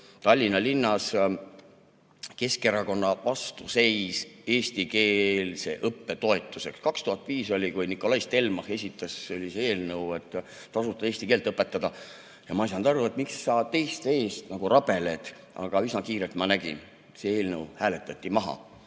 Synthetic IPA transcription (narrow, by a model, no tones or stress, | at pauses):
t̪ɑlʲːinɑlinːɑs | ke̞ske̞ɾɑko̞nːɑvɑst̪use̞jse̞ːst̪ike̞ːlse̞̰ʔɤpːe̞t̪o̞e̞t̪ːˑuse̞kskɑkst̪uhɑt̪ːˑviːso̞lʲikujnikːo̞lɑjst̪e̞lmɑhe̞sʲit̪ˑːeseolʲisee̞ːlnəwe̞t̪ː | ɑsut̪ːˑɑe̞ːsʲt̪ikeːlt̪ɤpːˑe̞t̪ːˑɑd̪ɑ | jɑmɑisɑnd̪ɑɾue̞t̪miksːɑːt̪e̞jst̪e̞ːst̪nɑɡ̥urɑb̥e̞le̞d̪̥ | ɑ̰ɡ̥ɑisnɑkiːɾe̞lt̪mɑnæɡ̥ḭn | see̞ːlnəwhæːle̞t̪ːˑɑt̪ʲːˑimɑɦɑ̰